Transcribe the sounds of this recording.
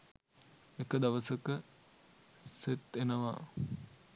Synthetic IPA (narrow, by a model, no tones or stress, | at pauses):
ekəd̪aʋəsəkə | set̪ːenəʋa̰